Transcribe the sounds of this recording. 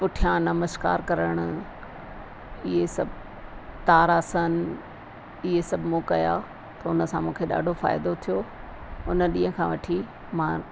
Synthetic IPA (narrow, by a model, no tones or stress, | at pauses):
pʊʈʰijãnɐməska̰ːɾkɐɾəɽ̃ʊ̆ | ɪɦesɐbʱ | t̪aːɾaːsən | ɪɦesɐbʱmũːkɐja̰ | t̪ɐʊnə̆sãmũːkʰeɗa̰ːɖʱofa̰ːɪd̪ot̪ʰijoː | ʊnəɗĩːɦə̃kʰãʋɐʈʰi | mã